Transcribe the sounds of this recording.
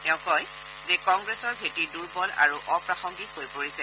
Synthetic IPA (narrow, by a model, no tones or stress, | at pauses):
ɛʊ̃kɔj | zɛkɔŋɡɹɛsɔɹbʱetiduɹpɔla̰ɹuʔɔpɹaxɔŋɡithojpoɹisɛ